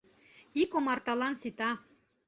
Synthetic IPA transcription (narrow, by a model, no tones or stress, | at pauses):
ikomɑrt̪ɑlˠɑnsit̪ɑ